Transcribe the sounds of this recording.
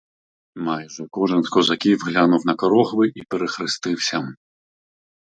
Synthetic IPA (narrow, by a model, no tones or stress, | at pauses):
majʐɐkɔʐɐnskɔzakʲivɣlʲanuwnɐkɔɾɔxvɨʔipʲɛɾɛxɾɨst̪ɨwsʲɐm